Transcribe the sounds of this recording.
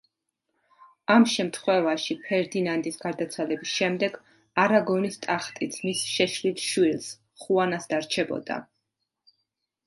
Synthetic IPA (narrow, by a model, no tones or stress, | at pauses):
amʃɛmt̪ʰχwɛvaʃipʰɛɾd̪inand̪isɡ̥aɾd̪at̪sʰwalɛbisʃɛmd̪ɛɡ | aɾaɡɔnist̪ʼaχt̪ʼit̪sʰmisʃɛʃlit̪ʃwils | χuanasd̪aɾt͡ʃʰɛbɔ̰d̪a̰